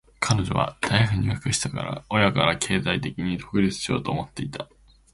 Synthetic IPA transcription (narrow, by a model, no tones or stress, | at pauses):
kʰano̞ʑo̞̰β̞a̰d̪̥aiɸɯ̟ɲ̟iβakɯ̟ɕi̥t̪aka̰ɾa̰o̞jakaɾakʰe̞ːzait̪e̞kʲiɲ̟id̪o̞̥kɯ̟ɾʲit͡sɨ̥ɕijo̞̰ːt̪o̞ːmo̞t̪ːe̞it̪a